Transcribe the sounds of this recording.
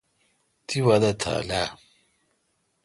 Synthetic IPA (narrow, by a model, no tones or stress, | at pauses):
t̪iwad̪at̪ʰa̰la